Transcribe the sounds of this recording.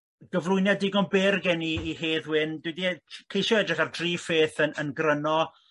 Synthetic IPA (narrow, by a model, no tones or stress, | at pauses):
ɡ̥əvlˠʊjnjadɪɡɔnbɪrɡɛniːɦeːðwɪndwidikʰejʃɔɛdrɪχardriːfeːθənənɡrənɔ